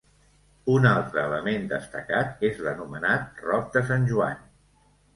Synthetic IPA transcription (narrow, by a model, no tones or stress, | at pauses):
unalˠt̪ɾəːləmend̪əst̪əkat̪ezðənumənat̪̚rɔp̚d̪əs̬anʲʒua̰n